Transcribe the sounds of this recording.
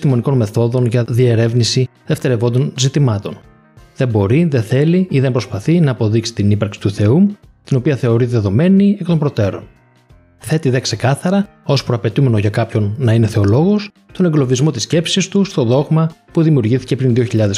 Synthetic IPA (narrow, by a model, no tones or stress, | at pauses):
st̪imo̞niko̞nme̞θo̞ðo̞nʝɐðie̞ɾe̞vnisiðe̞ft̪e̞ɾevo̞nd̪o̞nzit̪imɐt̪o̞n | ðe̞mbo̞ɾiðe̞θe̞liiðe̞mbpɾo̞spɐθinɐːpo̞ðiksi̥t̪inipɐɾksi̥t̪uθe̞ut̪ino̞piɐθe̞o̞ɾiðe̞ðo̞me̞niekt̪o̞mbɾo̞t̪e̞ɾo̞̰n | θe̞t̪iðe̞kse̞kɐθɐɾɐ | o̞spɾoɐpe̞t̪ume̞no̞ʝɐkɐpço̞nːɐine̞θe̞o̞lo̞ɣo̞s | t̪o̞ne̞ŋɡlo̞vizmo̞t̪isce̞psist̪ust̪o̞ðo̞ɣmɐpuðimiuɾʝiθi̥ce̞pɾinðio̞çiʎɐðe